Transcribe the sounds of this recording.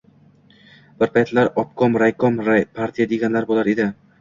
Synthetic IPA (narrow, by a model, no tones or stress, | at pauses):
b̥ɪɾpʰajt̪laɾɒp̚kʰɒmɾajkʰɒmɾapʰaɾt̪ʰijad̪eɡʲanlaɾbolˠaɾed̪ɪ